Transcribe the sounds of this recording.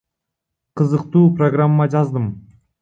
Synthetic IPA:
qʰɯzɯqt̪uːproɡramːad͡ʒɑzd̪ɯm

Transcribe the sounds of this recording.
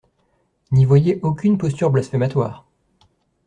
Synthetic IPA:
nivwajeʔokʲynpɔst̪yʁblasfɛmat̪wa̰ːʁ

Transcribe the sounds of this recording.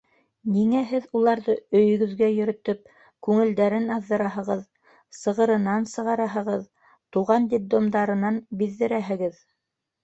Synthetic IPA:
niŋæɦɘðulˠɑɾðɤɵ̆jɵ̆ɡɵ̆ðɡæjɵ̆ɾɵ̆t̪ɵp̚ | kʉŋɘ̆ld̪æɾɘnɑðːɤ̆ɾɑɦɤ̆ʁɤð | sɤ̆ʁɤ̆ɾɤ̆nɑnsɤ̆ʁɑɾɑɦɤ̆ʁɤð | t̪uʁɑnd̪ʲib̚d̪omd̪ɑɾɤ̆nɑnbiðːɘ̆ɾæɦɘ̆ɡɘð

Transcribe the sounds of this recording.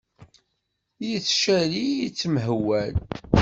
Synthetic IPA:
jiθʃæɾijit͡sːmɦwːæl

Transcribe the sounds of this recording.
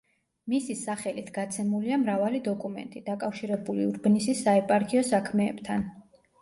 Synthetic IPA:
misisaχɛlit̪ʰɡ̥at̪sʰɛmuliamɾavalid̪ɔkʼumɛ̰nt̪ʼid̪akʼafʃiɾɛbuliuɾbnisisaɛpʼaɾkʰʼiɔsakʰmɛːbt̪ʰan

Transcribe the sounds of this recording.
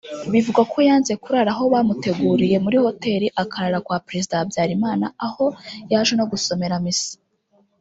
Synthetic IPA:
βivuɡakʰo̞jaːnze̞kuɾaɾaɦo̞βaːmute̞ɡuːɾije̞muɾiho̞te̞ːɾiʔakaɾaɾakwaːpɾe̞zidabjaːɾimaːnaːho̞jaːʒweno̞ɡuso̞me̞ɾamisi̥

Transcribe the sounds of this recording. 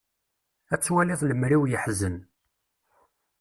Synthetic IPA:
æt͡sːwæliðˤləmɾiwjəħzən

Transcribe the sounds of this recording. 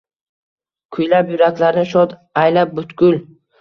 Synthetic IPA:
kʰʊjlapjʊɾakʲlaɾnɪʃɒt̪ajlap̚bʊt̪kʲʊl

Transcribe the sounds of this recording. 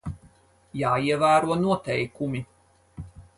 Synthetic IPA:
jaːiɛvæːɾuɔnuɔt̪ɛjkumʲi

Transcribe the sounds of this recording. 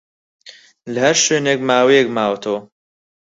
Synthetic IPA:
ləhɐɾʃeːnek̚maːwijek̚maːwt̪ʰoː

